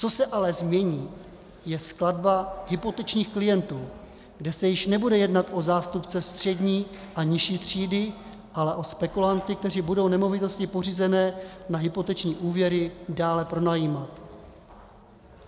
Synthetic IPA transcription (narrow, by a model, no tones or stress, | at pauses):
t͡so̞sɛʔalɛzmɲɛɲiː | jɛskladbaɦɪpo̞t̪ɛt͡ʃɲiːxklɪjɛnt̪uː | ɡdɛsɛjɪʃnɛbudɛjɛdnat̪ʔo̞zaːst̪upt͡sɛst̪r̝̥ɛdɲiː | ʔaɲɪʃiːt̪r̝̥iːdɪ | ʔalɛʔo̞spɛkulant̪ɪk̚t̪ɛribudo̞wnɛmo̞vɪt̪o̞scɪpo̞riːzɛnɛːnaɦɪpo̞t̪ɛt͡ʃɲiːʔuːvjɛɾɪdaːlɛpɾo̞najiːmat̪